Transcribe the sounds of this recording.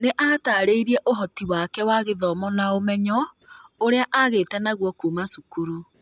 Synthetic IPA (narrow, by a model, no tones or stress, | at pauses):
neʔataːɾeiɾiɛʔoɦɔtiwakɛwaɣeðɔmɔnaomɛɲɔ | oɾeaʔaɣeːtɛnaɣwɔkuːmasukuɾu